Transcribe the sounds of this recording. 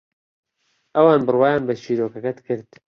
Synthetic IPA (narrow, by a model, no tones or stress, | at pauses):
ʔɐwɑːnbɨrwaːjaːnbɐt͡ʃʰiːɾoːkɐkɐt̪kɨɾt̪